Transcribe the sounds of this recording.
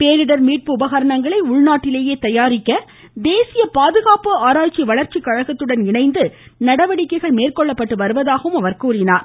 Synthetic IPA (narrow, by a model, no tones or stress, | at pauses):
peːɾɪɽɐɾmiːʈ̚pɯʊbɐɣɐɾɐɳɐŋɡɐɭɐɪʊɭnaːʈːɪleːjeːt̪ɐjaːɾɪkːɐ | d̪eːsɪjɐpaːðɯɣaːpɯaːɾaːt͡ʃːiʋɐɭɐɾt͡ʃikːɐɻɐɣɐt̪ːɯɽɐnɪɳɐɪnd̪ɯnɐɽɐʋɐɽɪkːɐɪɣɐɭmeːrkɔɭːɐpːɐʈːɯʋɐɾɯʋɐðaːɣɐʋɯmɐʋɐɾkuːrɪnaːɾ